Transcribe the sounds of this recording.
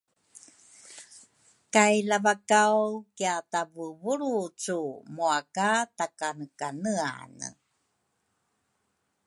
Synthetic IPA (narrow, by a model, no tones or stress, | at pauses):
kajlavakawkiatavəvuɾut͡sumuakatakanəkanəa̰nə̰